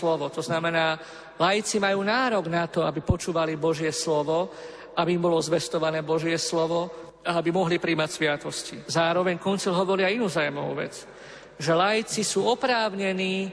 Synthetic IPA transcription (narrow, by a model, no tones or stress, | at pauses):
lɔʋɔt̪ɔznamɛnaː | lajit͡simajuːnaːɾɔɡnat̪ɔabipɔt͡ʃuːʋalibɔʒɪɛslɔʋɔ | abiːmbɔlɔzʋɛst̪ɔʋanɛːbɔʒɪɛslɔʋɔ | aabimɔɦlipɾiːmacsʋɪat̪ɔscizaːɾɔʋɛɲkɔnt͡silɦɔʋɔɾiainuːzajmɔʊ̰ʋɛ̰t͡s | ʒɛlajit͡sisuːɔpɾaːʊɲɛniː